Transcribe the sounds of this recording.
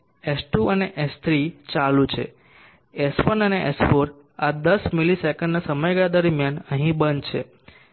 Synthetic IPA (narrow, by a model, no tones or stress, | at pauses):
esʈuʔəneʔest̪ʰɾit͡ʃalũt͡ʃʰḛ | esfənəneʔesfoɾ | ad̪əsmilisɛkəɳɖnasəməjɡad̪əɾmjanəɦĩbənt͡ʃʰḛ